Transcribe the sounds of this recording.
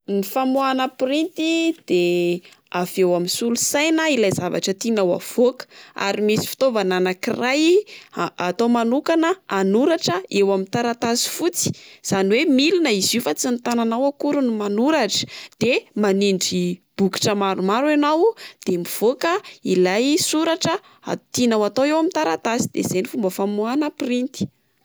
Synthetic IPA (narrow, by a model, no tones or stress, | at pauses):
nifamuanəprint̪id̪̥e | avewaminsulusajnəilajzava̰ʈ͡ʂət̪inawa̰v̥okə̥a̰ɾimisi̥fi̥t̪ovananakiraj | at̪omanukanəanuɾaʈ͡ʂəewamint̪aɾat̪azi̥fut͡si̥z̥aniwemilinəiziufat͡sint̪ananawakuɾunumanuɾaʈ͡ʂə̥d̪̥emaniɳɖ͡ʐib̥uki̥ʈ͡ʂəmaɾumaɾanawd̪̥emiv̥okəilajsuɾaʈ͡ʂə | a̰t̪inawat̪owewamint̪aɾat̪azi̥d̪ḛz̥ejnifumbəfamuanəprint̪i̥